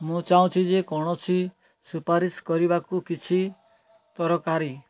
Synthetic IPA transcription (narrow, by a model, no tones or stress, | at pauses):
mũt͡ʃaũt͡ʃʰid͡ʒekɔɽ̃ɔt͡ʃʰi | supaɾiskɔɾibakukit͡ʃʰi | t̪ɔɾɔkaɾi